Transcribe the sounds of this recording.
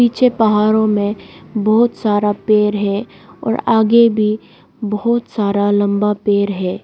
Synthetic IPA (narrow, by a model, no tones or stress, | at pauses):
iːt͡ʃʰepɐɦaːɾõmẽbɔɦʊt̪saːɾapeːɾɦɛ | ɔ̰ːɾaːɡebʱi | bɐɦɔt̪saːɾalɐ̃mbapeːɾɦɛː